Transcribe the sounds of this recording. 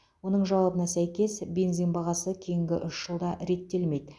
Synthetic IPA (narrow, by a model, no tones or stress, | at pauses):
wo̞n̪əɴʒɑwɑbənɑsæjkʲe̞sbenziŋbɑʁɑsəkʲʰe̞jɪŋɡʲɪʔʏʃʒ̥əlˠd̪ɑɾe̞t̪ːe̞lme̞jd̪